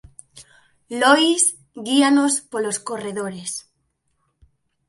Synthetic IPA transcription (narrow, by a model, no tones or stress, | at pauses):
lojz | ɣianospoloskoreðoɾes